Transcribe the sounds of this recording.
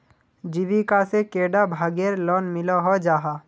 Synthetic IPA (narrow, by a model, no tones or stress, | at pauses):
d͡ʒiʋikasekeːɖabʱaːɡeɾlɔːnmɪlɔɦɔd͡ʒaːɦa